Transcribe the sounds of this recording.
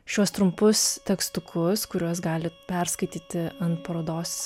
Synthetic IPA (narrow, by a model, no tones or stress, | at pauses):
ʃʲuɔst̪ɾʊmpʊst̪ʲɛkst̪ʊkʰʊskʊɾʲuɔsɡɑːlʲɪpʲɛɾskɐɪt̪ʲiːt̪ʲɪɐnt̪pɐɾoːd̪oːs